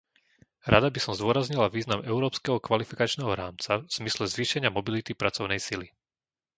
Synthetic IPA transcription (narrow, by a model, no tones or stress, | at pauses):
ɾad̪abisɔmzd̪ʊɔɾazɲilaʋiːznamɛʊɾɔːpskɛɦɔkʋalifikat͡ʃnɛːɦɔɾaːmt͡saz̥mislɛzʋiːʃɛɲɪamɔbilit̪ipɾat͡sɔʊnɛjsili